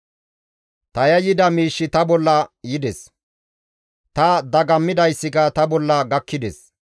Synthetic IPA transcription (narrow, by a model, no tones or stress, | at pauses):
t̪ɐjɐjɪd̪ɐmiːʃːɪt̪ɐbɔlːɐjɪd̪ɛs | t̪ɐd̪ɐɡɐmːɪd̪ɐjsːɪkɐt̪ɐbɔlːɐɡɐkʰːɪd̪ɛs